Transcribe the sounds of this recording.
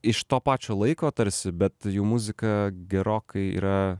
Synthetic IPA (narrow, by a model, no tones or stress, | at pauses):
ɪʃt̪oːpɑːt͡ʃʲoːlˠɐɪkoːt̪ɐɾʲsʲɪbʲɛt̪juːmʊzʲɪkɐɡʲɛɾoːkɐɪḭːɾɐ